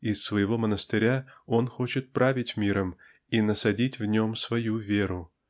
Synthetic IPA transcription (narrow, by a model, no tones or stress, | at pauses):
ɪsːvəjɪvo̞mənəst̪ɨɾʲao̞nxo̞t͡ɕɪt̪̚pɾʔavʲɪtʲmʲiɾəm | inəsɐdʲitʲvnʲo̞msvɐjuvʲe̞ɾʊ